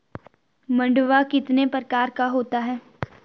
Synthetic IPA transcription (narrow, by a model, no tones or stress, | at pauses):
mɐ̃ɳɖʋakɪt̪nepɾəkaːɾkaɦoːt̪aɦɛː